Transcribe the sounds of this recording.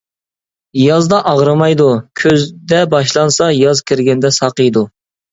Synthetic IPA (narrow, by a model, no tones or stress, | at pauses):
jɑzd̪ɑʔɑʁɾɨmɑjd̪ukʲʰøzd̪ɛbɑʃlˠɑnsɑjɑzkʲʰɪɾɡʲɛnd̪ɛsɑqəjd̪u